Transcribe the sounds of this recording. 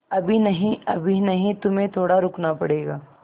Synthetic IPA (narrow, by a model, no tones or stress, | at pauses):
ɐbʱinɐɦĩɐbʱinɐɦĩt̪ʊmẽt̪ʰoːɽaɾʊknapɐɽeːɡaː